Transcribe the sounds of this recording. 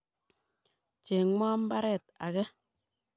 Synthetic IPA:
t͡ʃe˨ŋaː˦m̩˦ba˦ɾɛ˦˨t̚a̰˨ke˦

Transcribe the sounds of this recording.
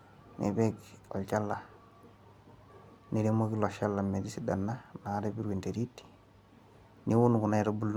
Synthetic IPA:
nḛ˨pekɔ̰˨lt͡ʃa˦lːa˨ | ni˨ɾe˦mo˦ki˦lɔ˨ʃa˦lːame˨di˦si˦danːa˦na˨ɾebi˦ɾwe˨nte˨ɾi˦ti̥ | ni˦wu˦nku˨na˦iɾobu˦l

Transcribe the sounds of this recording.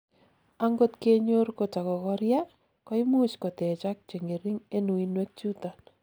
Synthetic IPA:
aŋɡo˦tke˦ɲo˦rko˨t͡ʃa˨kɔ˨kɔɾja˦ | kɔ˦i˦mu˦t͡ʃko˨tɛ˨t͡ʃak̚t͡ʃe˨ŋe˨ɾi˦ŋe˦nu˨inwe˦k̚t͡ʃu˦ta˨n

